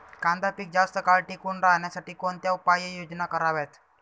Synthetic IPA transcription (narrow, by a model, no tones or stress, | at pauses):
kãnd̪apiːk̚d͡zast̪əkalʈikuɳɾaɦɳjasaʈiːkoɳt̪jaupajəjod͡znakəɾaʋet̪